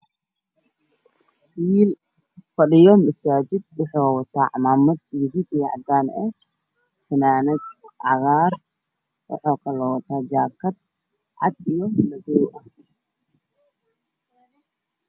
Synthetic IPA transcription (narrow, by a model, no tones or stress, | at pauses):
wiːl | fɐɗɪjɔmɐsaːd͡ʒɪd̪̚wɑħɔːwɐt̪ʰaːʕɑmaːmɐd̪̚idɪd̪iʕɑ̰d̪aːnɛ | fɐnaːnɐd̪ʕɑɣaːr | wʔɑ̰ħɔːkʰɐlɔːwɐt̪ʰaːd͡ʒaːkʰɐd̪̚ | ʕɑ̰d̪ijɔlɐɡɔːjʔɐ